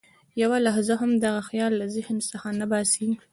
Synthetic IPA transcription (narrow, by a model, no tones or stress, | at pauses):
jawalaɦzaɦamd̪aɣaxjɑlːazəhnsəxanabɑsi